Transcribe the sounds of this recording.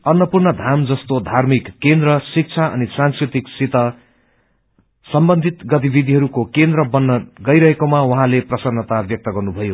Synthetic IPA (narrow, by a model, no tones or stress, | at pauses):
ʌnwʌpurnʌd̪ʱamd͡zʌst̪od̪ʱarmikːend̪ɾʌsik̚t͡sʰaʌ̰nisãnskrit̪iksit̪ʌ | sʌmbʌnd̪ʱit̪ɡʌt̪̬ibid̪ʱiɦʌɾukokend̪ɾʌbʌnːʌɡʌjɾʌɦekomawʌɦãleprʌsʌnːʌt̪abjʌk̚t̪ʌɡʌrnubʱʌjo